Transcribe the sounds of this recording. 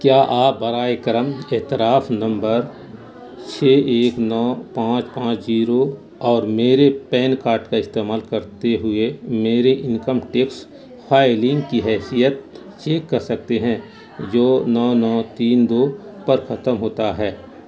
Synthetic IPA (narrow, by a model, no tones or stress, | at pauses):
kjaːʔaːp̚bɐɾaːekəɾəmeːt̪ɪɾaːfnɐ̃mbəɾ | t͡ʃʰeːʔeːknɔːpãːt͡ʃpãːt͡ʃd͡ʒiːɾo | ɔːɾmeːɾepɛːnkaːɾʈkaɪst̪eːmaːlkɐɾt̪eɦʊemeːɾeʔɪ̃ŋkəmʈeːks | pʰaːɪlɪ̃ŋɡkiɦɛːsijət̪̚ | t͡ʃeːkːɐɾsɐk̚t̪eɦɛ̃ | d͡ʒoːnɔːnɔːt̪iːnd̪oːpɐɾxɐt̪əmɦoːt̪aɦɛː